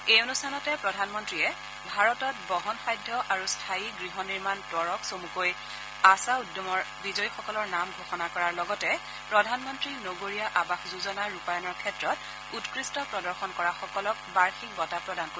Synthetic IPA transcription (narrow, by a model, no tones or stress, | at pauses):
ejonustʰanɔtɛpɹɔdʱanmɔntɹiɛ | bʱaɹɔtɔt̚bɔɦɔnxajdʱːɔʔaɹustʰaiɡɹiɦɔniɹmandɔɹɔksomukoj | asaudjɔmɔɹbizɔjxɔkɔlɔɹnamɡʱoxɔnakɔɹaɹlɔɡɔtɛ | pɹɔdʱanmɔntɹinoɡoɹijaʔabaxzuzɔnaɹupajɔnɔɹkʰɛtɹɔt | utkɹistɔpɹɔdɔɹxɔnkɔɹaxɔkɔlɔk̚baɹxik̚ɡɔtapɹɔdanko